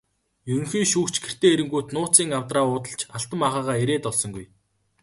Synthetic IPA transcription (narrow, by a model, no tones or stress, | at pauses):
jɵɾɵ̆ŋxiːʃuːkt͡ɕɡer̥t̪eːeɾɘ̆ŋɡuːt̪nʊːt͡siːŋawt̪raːʊːt̪ə̆ɬt͡ɕaɬt̪ə̆maʁaːʁaːeɾeːt̪ɔɮsɞ̆ŋɡuj